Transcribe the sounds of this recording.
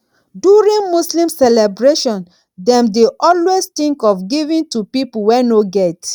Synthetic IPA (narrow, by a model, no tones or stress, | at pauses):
duɹĩnmuslĩmsɛlɛbɹeʃɔ̃n | dɛ̃mdeʔɔlwest̪ĩŋkɔfɡivĩntupipuwɛnoɡɛt